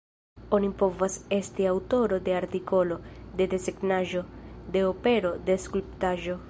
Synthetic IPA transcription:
o̞nipo̞vase̞stiawto̞ɾo̞de̞aɾtiko̞lo̞de̞de̞seɡnaʒo̞de̞ope̞ɾo̞de̞skulptaʒo

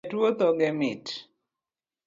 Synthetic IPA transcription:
twot̪ɔɡɛmɪt

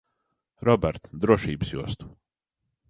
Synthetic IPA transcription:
ɾɔbɛɾt̪d̪ɾuɔʃiːbɨsjṵɔst̪u̥

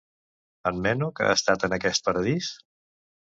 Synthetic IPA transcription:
əmːɛnukəa̰əːst̪at̪ənəkɛst̪̚pəɾəðis

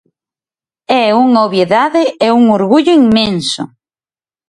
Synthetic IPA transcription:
ɛuŋoβjeðaðɪeuŋoɾɣuʎʊiŋmẽnsʊ̰

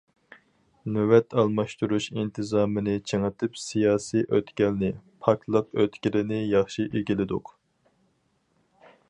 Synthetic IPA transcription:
nøwɛt̪ʰɑlˠmɑʃt̪uɾuʃint̪ʰɨzɑːmɨnɪt͡ʃʰeŋət̪ʰɨpsijɑːsijʔøt̪kʲɛlnɪpʰɑkʰlˠɑp̚øt̪kʲilɪnɪjɑχʃiʔeɡʲilɪd̪ʊ̰q

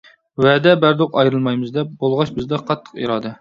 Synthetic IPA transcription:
wɛd̪ɛbæɾd̪oqɑjɾɨlˠmɑjmɨzd̪ɛp̚bolˠʁɑʃbɪzd̪ɛqʰɑt̪ʰːə̥qḭɾɑːd̪ɛ

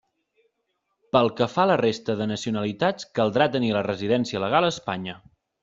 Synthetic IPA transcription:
pəlˠkəfalərest̪əðənəsiunəlit̪at͡skəlˠd̪ɾat̪ənilərəziðɛnsiələɣalˠəːspaɲə

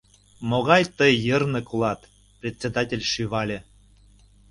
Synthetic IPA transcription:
moɣɑjt̪əjːɤrnɤ̆kulˠɑt̪ | prʲet̪ʲt͡sʲed̪ɑtʲelʲʃyβɑlʲĕ

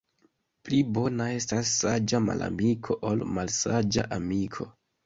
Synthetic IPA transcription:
plibo̞nae̞stasːad͡ʒama̰la̰mikʰo̞ʔolmalsad͡ʒa̰ʔamikʰo̞̰

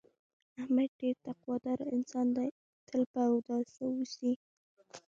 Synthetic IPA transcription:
ahmad̪̚ɖeɾt̪aqwɑd̪ɑɾaɪnsɑnd̪a | t̪ʰəlpawd̪ɑsawusi

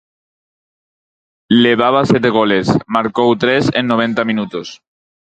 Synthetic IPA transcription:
leβ̞aβ̞asjet̪̬eɣ̞ole̞smaɾkowt̪ɾesḛnːoβ̞ẽ̞nt̪amĩnut̪os

